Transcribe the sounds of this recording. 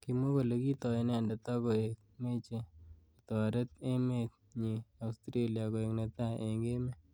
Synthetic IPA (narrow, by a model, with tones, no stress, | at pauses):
kimo˦ko˨le˨ki˦t̪ɔ˨˦nɛ˨ndɛ˨t̪a˦ko˨ek̚me˦t͡ʃe | itaɾe˦te˦met̚ | ɲi˨a˨ustɾe˦liako˨e˨knet̪aʔeŋɡe˦mɛ˦